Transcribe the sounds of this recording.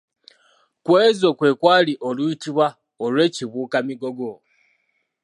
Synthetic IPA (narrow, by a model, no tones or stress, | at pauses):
kweːzo̞kwe̞ːkwaːliʔoluitiβwa | olwe̞ːciβuːkamiɡo̞ɡo